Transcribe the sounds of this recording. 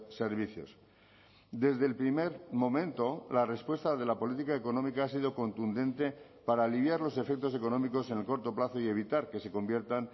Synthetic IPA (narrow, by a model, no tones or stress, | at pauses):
se̞ɾβiθjo̞̰s | d̪e̞zðe̞lpɾime̞ɾmõ̞mẽ̞nt̪o̞lare̞spwe̞st̪aðe̞lapo̞lit̪̬ikaeko̞nõ̞mikaasiðo̞ko̞nt̪und̪e̞nt̪e̞ | paɾaːliβjaɾlo̞se̞fe̞k̚t̪o̞s̬e̞ko̞nõ̞miko̞se̞nelko̞ɾt̪o̞plaθo̞ie̞β̞it̪aɾke̞se̞kõ̞mbje̞ɾt̪an